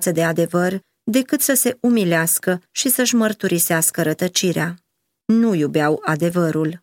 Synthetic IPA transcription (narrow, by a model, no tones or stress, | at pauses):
t̪səd̪e̞ad̪e̞vər | d̪e̞kɨt̪səse̞umileaskəʃisəʃmərt̪uɾʔiseaskəɾət̪ət͡ʃiɾḛa | nujubeawad̪e̞vəɾul